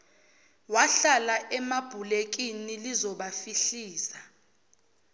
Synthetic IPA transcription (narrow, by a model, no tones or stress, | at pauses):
waɬalaʔɛmab̥ʱulek̬inilizɔɓafiɬiːsa